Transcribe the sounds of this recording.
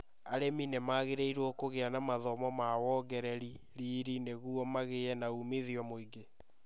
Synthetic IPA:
aɾeminemaɣeɾeiɾwɔkoɣeanamaðɔmɔmawɔɡɛɾɛɾi | ɾiːɾineɣuɔmaɣeɛnaumeðiɔmoiɡe

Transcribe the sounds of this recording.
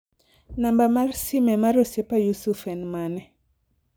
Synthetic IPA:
nambamaɾsimɛmaɾosjepajusufɛnmanɛ

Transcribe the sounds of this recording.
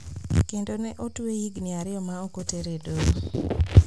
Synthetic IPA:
kendonɛʔotwejiɡnɪaɾɪɔmaokoteɾedoɾo

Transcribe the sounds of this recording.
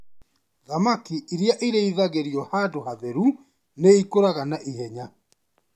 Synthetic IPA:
ðamakiiɾjaʔiɾeiðaɣeɾiɔhaːdohaðɛɾu | neikoɾaɣanaʔiɦɛɲa

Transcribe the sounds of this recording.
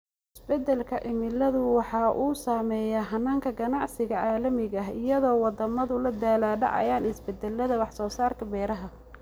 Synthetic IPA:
ʔɪsbɛd̪ɛlkʰɐʔɪmɪlɐðʊwɑħɑːʔuːsaːmɛːjɐɦɐnːaːŋkʰɐɡɐnɑʕsɪɣɐʕɑːlɐmɪɣɐɦɪjɐðɔːwɑd̪ɐmɐðʊlɐd̪aːlaːɖɑ̰ʕɑ̰jaːnɪsbɛd̪ɛlːɐðɐwɑħsɔːsaːrkʰɐbɛːɾɐɦɐ

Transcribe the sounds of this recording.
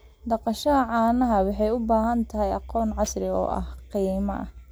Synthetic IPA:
d̪ɑqɑʃɐɦɐʕɑːnɐɦɐwɑħɑjʊbaːɦɐnt̪ʰɐɦɛjɑqɔːnʕɑsrɪɔ̰ːʔɐ̰hqiːmɐ̰ʔɐ̰

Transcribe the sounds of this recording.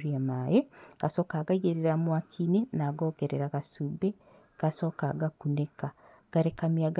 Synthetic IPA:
ɾiamajeɡ̥asoːkaɡaɣeɾeɾamwakʰinenaɡoːɡeɾeɾaɣasube | ɡ̥asoːkaɡakuneka | ɡ̥aɾekamjaɡa

